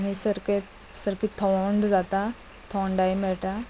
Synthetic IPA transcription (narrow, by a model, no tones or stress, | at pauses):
ñisəɾket | səɾpit̪ʰəɳɖd͡zat̪a | t̪ʰəɳɖajmɛɭʈ̪a